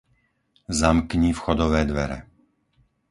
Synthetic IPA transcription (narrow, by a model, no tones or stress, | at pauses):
zamkɲiːfxɔd̪ɔʋɛːd̪ʋɛɾɛ̰